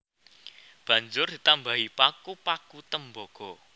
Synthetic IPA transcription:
b̥ä̤ɲd͡ʒʊrd̪̥it̪ambaɦipakupakut̪əmbɔɡ̥ɔ

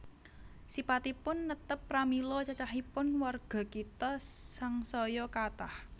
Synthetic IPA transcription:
sipat̪ipʊnːət̪əpːramilɔt͡ʃat͡ʃaɦipʊnwarɡ̥ɔ̤kit̪ɔsaŋsɔjɔkat̪ah

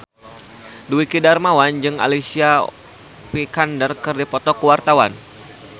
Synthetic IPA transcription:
duikidarmawand͡ʒɨŋa̰lisia | pikandərkɨrdipɔt̪ɔkəwart̪awa̰n

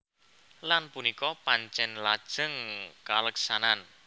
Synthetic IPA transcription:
lanpunikɔpaɲt͡ʃɛnlad̥ʒ̥əŋkaləksanan

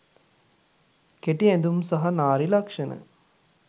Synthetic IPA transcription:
keʈiænd̪umsaɦɐnaːɾilɐkʂənə̰

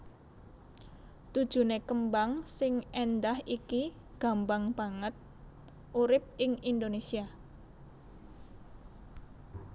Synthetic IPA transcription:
t̪ud̥ʒ̥ṳnekəmbaŋsɪŋend̪ahʔiki | ɡ̥a̤mbaŋb̥a̤ŋət̪̚ | ʔuɾɪp̚ɪŋind̪onesia

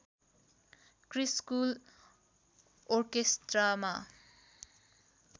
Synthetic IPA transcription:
kriskul | orkest̪rama

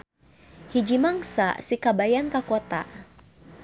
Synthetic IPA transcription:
hid͡ʒimaŋsa̰sikabajankakot̪a̰

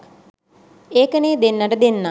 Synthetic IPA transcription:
eːkəneːd̪enːɐʈəd̪enːa

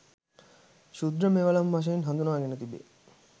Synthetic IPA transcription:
ʃud̪ɾəmeʋɐlɐmʋɐʃ̬ɐinɦɐnd̪unaːɡenət̪ibḛ

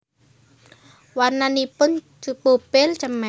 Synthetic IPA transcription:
wanːanipʊn | t͡ʃupupɪlt͡ʃəmɛ

